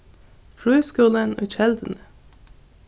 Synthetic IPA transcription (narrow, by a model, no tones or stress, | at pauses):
fɽyːskʉːlənʉ̰ːʃɛld̪ənə